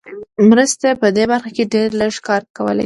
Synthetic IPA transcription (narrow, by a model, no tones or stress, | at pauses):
mɾəst̪apəd̪ebaɾxakeɖeɾləʒkɑɾt̪̚kawə̰la̰j